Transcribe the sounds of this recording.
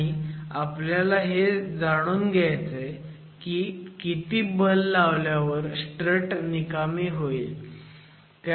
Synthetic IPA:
iapljalaɦed͡zaɽ̃uːnɡjajt͡se | kikit̪iːbəlːaʋljaʋəɾsʈɾəʈnikamiːɦoiːl | t̪

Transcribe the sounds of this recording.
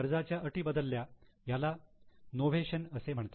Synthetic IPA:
ɾd͡zat͡ɕjaʔəʈiːbəd̪əlːjajalanoʋeɕənəsem̤əɳt̪a

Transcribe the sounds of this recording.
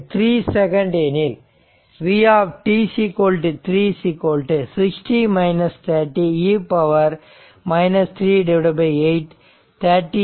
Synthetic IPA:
t̪ʰɾiːsɛkɐ̃ɳɖenɪl | ʋiːaːʋʈiːsikoːlʈt̪ʰɾiːsiːkoːlʈɨsɪksʈimɐɪnɐst̪ʰɐɾʈːiiːpɐʋɐɾ | mɐɪnɐst̪ʰɾiːɖɛʋɽɐbɐɪeɪʈ | t̪ʰɐɾʈːi

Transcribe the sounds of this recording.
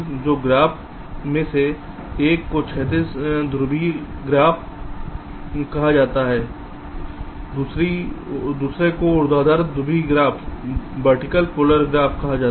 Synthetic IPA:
d͡ʒoːɡɾaːpʰ | mẽse | eːkːot͡ʃʰɛːt̪̬iːsd̪ɾʊbiɡɾaːpʰ | kɐɦad͡ʒaːt̪aɦɛː | uːsɾid̪uːsɾekoʊɾd̪aɦd̪aːɾd̪ʊbiɡɾaːpʰbəɾʈɪkəlkoːləɾɡɾaːfʰkɐɦad͡ʒaː

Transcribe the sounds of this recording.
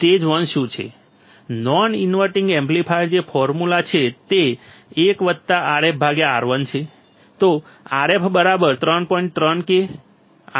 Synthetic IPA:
t̪ed͡ʒʋənʃũt͡ʃʰḛ | nɔninʋəɾʈĩŋɡemplipʰajəɾd͡ʒefɔɾmulat͡ʃʰet̪eːkʋəd̪̚t̪aʔaɾep̚ʰbʱaɡeaɾʋənt͡ʃʰe | t̪o | aɾepʰbəɾabəɾt̪ɾənpɔiɳʈ̚t̪ɾənke

